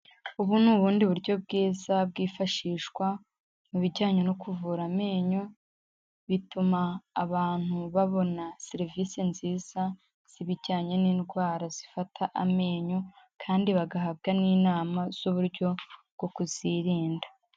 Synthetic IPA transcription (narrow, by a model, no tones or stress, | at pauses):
uβunuːβuːndiβuɾɟjo̞b̚ɡiːzab̚ɡiːfaʃiːʃkwa | muβiɟaːɲenokuvuːɾame̞ːɲo | βitumaːβaːn̥huβaβo̞naseɾviːsinziːz̥a | z̥iβiɟaːɲe̞niːnɡwaːɾaz̥ifatʰaʔame̞ːɲo | kʰaːndiβaɡaɦabɡaniːnaːmaz̥uβuɾɟo̞bɡ̥o̞kuz̥iɾiːndḁ